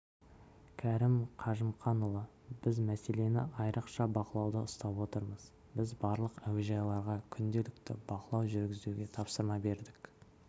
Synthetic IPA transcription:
kʲʰæɾɪmqʰɑʒəmχɑnʊlˠə | bɪzmæse̞le̞nɪ̰ɑjɾəqʃɑbɑqəlˠɑwd̪əʊst̪ɑpwo̞t̪əɾməz̥ | bɪzbɑɾlˠəqæwɪʒɑjlˠɑɾʁɑkʲʰʏnd̪e̞lɪkt̪ɪ̰bɑqəlˠɑwʒʏɾɡʲɪzd̪ewɡʲe̞t̪ʰɑpsəɾmɑbe̞ɾd̪ɪk

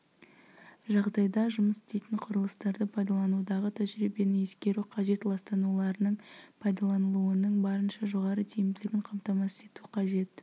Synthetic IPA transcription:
ʒɑʁd̪ɑjd̪ɑʒʊməsɪ̥st̪ejt̪ɪɴqʰʊɾəlˠəst̪ɑɾd̪əpʰɑjd̪ɑlˠɑnud̪ɑʁət̪ʰæʒɾibenɪe̞skʲe̞ɾuqʰɑʒe̞t̪lˠɑst̪ɑnulˠɑɾənəɴpʰɑjd̪ɑlˠɑnəlˠuənəɴbɑɾənʃɑʒo̞ʁɑɾət̪ʰijɪmd̪ɪlɪɡʲɪɴqʰɑmt̪ɑmɑse̞t̪uqʰɑʒe̞t̪

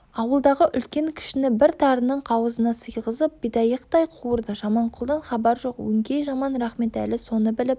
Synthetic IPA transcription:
ɑwəlˠd̪ɑʁəʔʏlkʲe̞ŋkʲʰɪ̥ʃɪnɪbɪɾt̪ʰɑɾənəɴqʰɑwəzənɑsəjʁəzəp̚bijd̪ɑjəqt̪ɑjqʰuəɾd̪əʒɑmɑɴqʰʊlˠd̪ɑnχɑbɑɾʒo̞qwɵ̰ŋkʲejʒɑmɑnɾɑχme̞t̪æ̰lɪso̞nəbɪlɪp

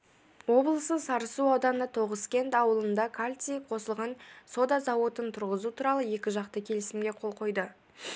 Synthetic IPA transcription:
wo̞blˠəsəsɑɾəsuɑwd̪ɑnnɑt̪ʰo̞ʁəskʲe̞nt̪ɑwəlˠənd̪ɑkʰalʲt̪sijqʰo̞səlˠʁɑnso̞d̪ɑzɑwot̪ənt̪ʰʊɾʁəzut̪ʰuɾɑlˠəje̞kʲɪʒɑq̚t̪əkʲʰe̞lɪsɪmɡʲe̞qʰo̞lˠqʰo̞jd̪ə

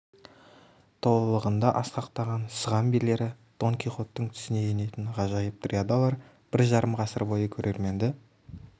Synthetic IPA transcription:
t̪ʰo̞lˠəlˠəʁənd̪ɑʔɑsqɑqt̪ɑʁɑnsəʁɑmbile̞ɾɪd̪̥o̞ŋkʲijχo̞t̪ːəɴt̪ʰʏ̥sɪne̞jene̞t̪ɪɴʁɑʒɑjəp̚t̪rʲiad̪alˠɑɾ | b̥ɪɾʒɑɾəmʁɑsəɾbo̞jəkʲʰɵɾʔe̞ɾme̞nd̪ɪ

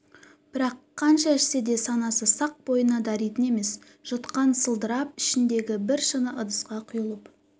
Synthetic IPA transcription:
b̥ɪɾɑqʰːɑnʃɑɪʃsed̪e̞sɑnɑsəsɑq̚bo̞jənɑd̪ɑɾijt̪ɪne̞me̞s | ʒ̥ʊt̪qɑnsəlˠd̪əɾɑp̚ɪʃɪnd̪e̞ɡʲɪbɪɾʃənəʔəd̪əsqɑqʰʊjəlˠəp

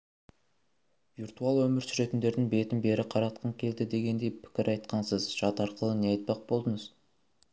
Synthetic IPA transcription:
virt̪uɑlˠwɵmɪɾsʏɾe̞t̪ɪnd̪e̞ɾd̪ɪŋbe̞t̪ɪnbe̞ɾɪqʰɑɾɑt̪qʰəɴkʲʰe̞ld̪ɪd̪e̞ɡʲe̞nd̪e̞jpʰɪ̥kʲɪɾʔɑjt̪̚qɑnsəzʒɑt̪ɑɾqəlˠəneɑjt̪̚pɑq̚bo̞lˠd̪əɴəz̥

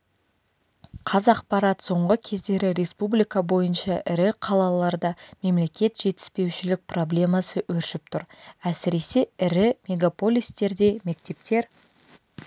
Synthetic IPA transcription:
qʰɑzɑq̚pɑɾɑt̪so̞ɴʁəkʲʰe̞zd̪e̞ɾɪɾe̞spublijkɑbo̞jənʃɑʔɪɾɪqʰɑlˠɑlˠɑɾd̪ɑme̞mle̞kʲe̞t̪ʒ̥e̞t̪ɪ̥spe̞wʃɪlɪk̚pro̞blʲe̞mɑsəʔɵɾʃɪp̚t̪ʰʊɾæsɪɾe̞se̞ɪɾɪmʲe̞ɡapo̞lʲijst̪e̞ɾd̪e̞me̞k̚t̪e̞pt̪e̞ɾ

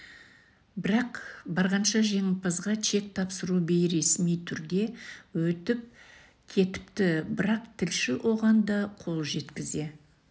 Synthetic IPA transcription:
bɪɾɑqbɑɾʁɑnʃɑʒeŋɪlˠpʰɑzʁɑt͡ʃʰe̞k̚t̪ʰɑpsəɾubejɾe̞smijt̪ʰʏɾd̪e̞wɵt̪ɪp̚ | kʲʰe̞t̪ɪ̥pt̪ɪbɪɾɑqt̪ʰɪlʃɪwʔo̞ʁɑnd̪ɑqʰo̞lˠʒe̞t̪kʲɪze̞

